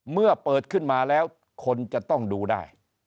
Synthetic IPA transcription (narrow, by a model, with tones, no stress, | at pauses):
mɯ˥˩ɐpɤː˨˩t̪̚kʰɯ˥˩nmaː˧lɛː˦˥w | kʰo˧nt͡ɕa˨˩t̪ɔ˥˩ŋduː˧da̰ː˥˩j